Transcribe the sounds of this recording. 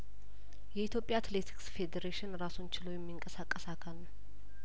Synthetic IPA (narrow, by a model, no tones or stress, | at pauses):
jɛit̪ʰjo̞pʼjaat̪let̪ʰi̥ksfe̞d̪eɾeʃɪnɾasont͡ʃɪlojɛmːiŋkʼəsakʼːəsakʰalːəw